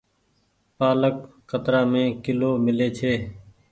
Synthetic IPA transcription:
paːlək̚ː | ət̪ɾaːmẽːkɪloːmɪleːt͡ʃʰeː

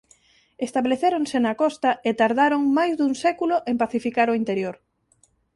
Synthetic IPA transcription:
est̪aβleθeɾoŋsenakɔst̪ɐet̪aɾðaɾoŋmajzðuŋsɛkuloʔempaθifikaɾoint̪eɾjoɾ

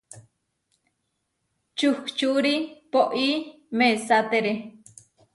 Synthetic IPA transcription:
t͡ʃuhkt͡ʃuɾipoʔi | mesat̪eɾe

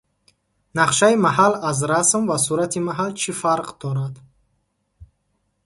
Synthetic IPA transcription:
naqʃaimahalazɾasmvasuɾat̪ʰimaɦalt͡ʃʰifaɾqd̪ɔɾad̪

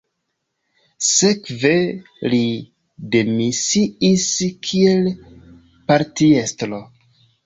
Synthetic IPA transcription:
se̞kve̞ | li | de̞misiiskʰie̞l | paɾtiestlo

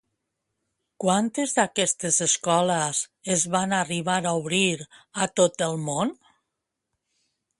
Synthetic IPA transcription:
kwant̪ezðakɛst̪ezeskɔləzezβanariβaɾauβɾiɾat̪ot̪əlˠmon

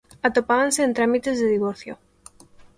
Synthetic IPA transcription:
at̪opaβanseːnt̪ɾamit̪ezðeðiβoɾθjo̰

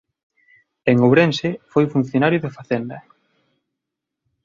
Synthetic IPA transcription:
eŋoβɾensɪfojfun̟θjonaɾjʊðɪfaθend̪ɐ

